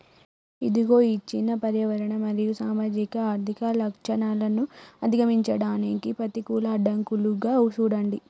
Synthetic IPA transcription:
id̪iɡo̞ːiːt͡ʃinːɐpɐɾjɐʋɐɾɐɳɐmɐɾijusaːmaːd͡ʒikɐaːɾt̪ʰikɐlɐkʂɐɳaːlɐnuɐd̪iɡɐmiɲt͡ʃɐɽaːnikipɐt̪ikuːlɐːɖɐŋkuluɡaːuʃuːɽɐɳɖi

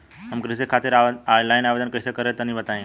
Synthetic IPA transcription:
ɦəmkɾɪsekʰːaːt̪ɪɾaajlaɪnaʋed̪ənkəjsekəɾet̪ənĩbət̪aĩ

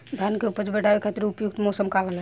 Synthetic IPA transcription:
d̪ʱankeupət͡ʃbɛʈabekʰat̪ɾeupjuk̚t̪mɔsəmkaʋəlɛ

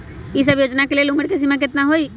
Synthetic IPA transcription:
is̬əbjoːd͡ʒnakeleelʊməɽkes̬imãk̬ɪt̪naɦoi

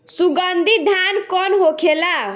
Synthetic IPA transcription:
suɡənd̪ʱid̪ʱankɔnɦokʰela

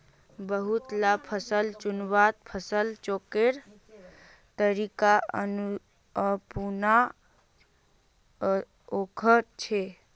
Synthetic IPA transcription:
bəɦut̪lapʰəsəlt͡ʃunbat̪̚pʰəsəlt͡ʃokeɾ | t̪əɾikaʔə̰nu | əpuna | okʰəɾt͡ʃʰe

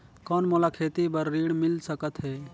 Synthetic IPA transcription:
kɔːnmolakʰeːt̪ibəɾːiːɽmɪlsəkət̪ɦɛː

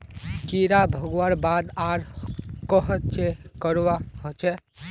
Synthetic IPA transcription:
kiɾabʱəɡwaɾbaːd̪aːɾkəɦətt͡ʃekəɾwaɦot͡ʃʰɛ

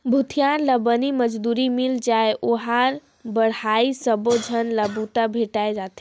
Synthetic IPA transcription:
bʱut̪ʰijanləbəniməd͡ʒd̪uɾimild͡ʒaeʔoɦaɾ | bəɽhaisəbod͡ʒʱənləbut̪abʱeʈaed͡ʒat̪ʰi

